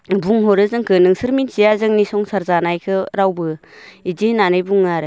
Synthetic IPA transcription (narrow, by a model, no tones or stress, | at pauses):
buŋɦɔɾɯzɯŋkʰɯnɯŋsɯɾminsijazɯŋnisɔŋsaɾzanajkʰɯɾawbɯ | idinanɯjbuŋːaɾɯ